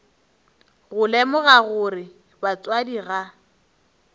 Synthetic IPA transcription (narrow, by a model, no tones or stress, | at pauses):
ɣʊlɛmʊɣaɣʊrɪ | bat͡sʼwadiɣa